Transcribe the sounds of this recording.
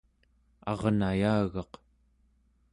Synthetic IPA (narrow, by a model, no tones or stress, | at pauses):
ɑ̰ʁnajaːɣɑq